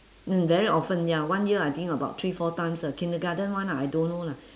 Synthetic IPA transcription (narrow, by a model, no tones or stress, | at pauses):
nɛ̃nvɛɹiʔɔfə̃njawãnjiəajt̪ĩŋəbaʊt̪ʰɹifɔtãɪ̃msəkʰɛ̃ndəɡadə̃nwãnajdõnːola